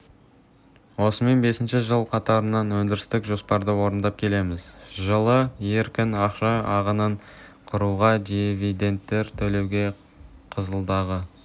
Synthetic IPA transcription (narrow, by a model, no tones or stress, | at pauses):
wo̞səme̞nbe̞sɪnʃɪʒəlˠqʰɑt̪ɑɾənːɑnwɵnd̪ɪɾɪst̪ɪkʒo̞spɑɾd̪əwo̞ɾənd̪ɑp̚kʲʰe̞le̞mɪzʒəlˠəje̞ɾkʲɪnɑqʃɑɑʁənɑɴ | qʰʊɾuʁɑd̪ivijd̪e̞nt̪ːe̞ɾt̪ʰɵle̞wɡʲe̞ | qʰəzəlˠd̪ɑʁə